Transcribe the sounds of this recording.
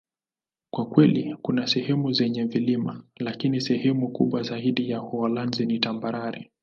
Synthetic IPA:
kwakwɛlikunasɛhɛmuzɛɲɛvilimalakinisɛhɛmukṵɓwazaiɗijahɔalanzinitambaɾaɾḭ

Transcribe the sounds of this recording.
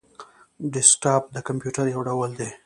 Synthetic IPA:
ɖɪsʈap̚d̪əkampjuʈaɾjawɖawəld̪e

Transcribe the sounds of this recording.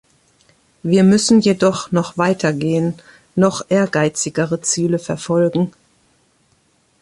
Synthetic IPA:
viːɐmʏsn̩jedɔχnɔχv̥aɪtʰɐɡeːənː | ɔχʔeːɐɡaɪt͡sɪɡəʁət͡siːləfɛɐfɔlɡŋ̩

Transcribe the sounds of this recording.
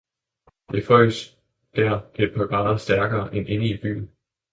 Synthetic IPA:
d̥e̝fɒɪ̰s | d̥æɐ̰b̥ipʰɒɡ̥ʁɑ̈ːðsd̥æɐɡ̥ɐːʔenʔe̝nəib̥y̰ːn̩

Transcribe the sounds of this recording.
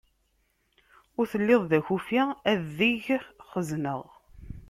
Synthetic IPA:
ʊɾθəlːɪðˤðæçufiæðiʝχəznəʁ

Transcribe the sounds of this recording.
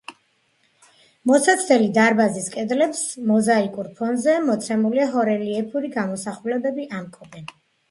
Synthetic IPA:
mɔsat̪sʰɛlid̪aɾbaziskʼɛd̪lɛpsmɔzaikʼuɾpʰɔnzɛmɔt̪sʰɛmuliaɦɔɾɛliɛpʰuɾiɡamɔsaχulɛbɛbiʔamkʼɔb̪ɛn

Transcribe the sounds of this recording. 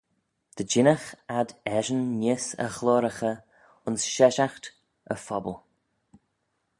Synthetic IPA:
d̪̥əd͡ʒɪnəxad̪ɛʒənːɪsə̰xlɔːɾəxə | ʊnsʃɛʃaxt̪ | ə̰fɔbəlˠ

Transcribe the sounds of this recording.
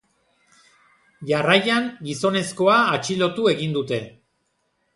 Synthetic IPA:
ʝarajaŋɡiso̞ne̞sko̞aːt͡ʃilo̞t̪ue̞ɣind̪ut̪e̞

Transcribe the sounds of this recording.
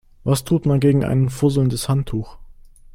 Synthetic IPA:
vastʰuːtmanɡeːɡŋ̩ʔa̰ɪnənfʊɐzl̩ndəshantʰːuːx

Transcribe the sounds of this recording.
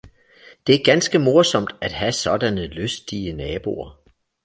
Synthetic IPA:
d̥e̝æɐɡ̥ænsɡ̥əmo̝ɐsɒ̽m̰d̥æd̥ɦæsɒ̽d̥ænəløsd̥iənɛːb̥o̝̰ɐ

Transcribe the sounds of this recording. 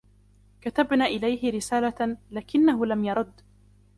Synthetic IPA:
kat̪abnaːʔɪlajɦɪɾɪsaːlalaːkɪnːaɦʊlamjɑɾˤʊd̪ː

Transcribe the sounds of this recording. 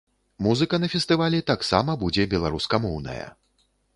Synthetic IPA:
muzɨkɐnɐfʲɛst̪ɨvalʲɛt̪aksa̰mɐbud͡zʲɛbʲɛlˠaɾuskɐmɔwnɐ̰jɐ̰

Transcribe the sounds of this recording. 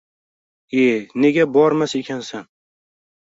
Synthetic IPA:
ene̞ɡʲabɒɾmase̞kʲʰansan

